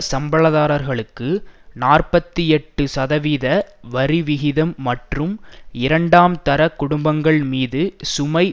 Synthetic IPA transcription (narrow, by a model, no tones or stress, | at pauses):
sɐmbɐɭɐðaːɾɐɾɣɐɭɯkːɯnaːrpɐt̪ːɯɛʈːɯsɐðɐʋiːðɐʋɐɾiʋɪɣɪðɐmːɐʈrɯmɪɾɐɳɖaːmt̪ɐɾɐkːʊɽʊmbɐŋɡɐɭmiːðɯsʊmɐɪ